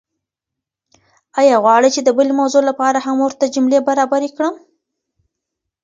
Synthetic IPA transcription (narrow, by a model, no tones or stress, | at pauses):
ɑjɑɣwɑɽəjt͡ʃed̪əbəlemawzolapɑɾahamwoɾt̪ad͡ʒʊmlebaɾɑbaɾekɽəm